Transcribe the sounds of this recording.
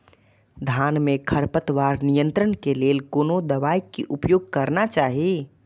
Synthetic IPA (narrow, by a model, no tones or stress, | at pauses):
d̪ʱanmẽkʰəɾpət̪ʋaːɾnijənt̪ɾənkeleːlkoːnod̪əʋajkiʔupjoːɡ̚kəɾnat͡ʃaːɦi